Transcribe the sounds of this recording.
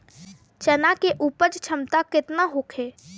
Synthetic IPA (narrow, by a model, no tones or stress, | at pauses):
t͡ʃənakeʔuːpəɾt͡ʃt͡ʃʰəmt̪akɪt̪naɦoːkʰeː